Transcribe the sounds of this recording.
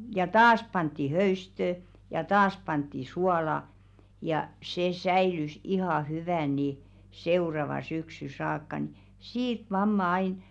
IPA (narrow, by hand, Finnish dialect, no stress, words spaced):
jɑ tɑːs pɑntːi høystø jɑ tɑːs pɑntːi suɑlɑ jɑ se sæilys ihɑˑ hyʋæˑn ni seurɑʋɑn̥ syksy sɑːkːɑ n̆ĭ siːt mɑmːɑ ɑin